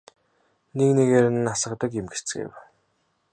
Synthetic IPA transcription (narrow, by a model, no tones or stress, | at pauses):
nekneɣeːɾɘ̆nːasə̆qt̪ə̆kemɡe̥t͡sɘ̥̆ɡḛw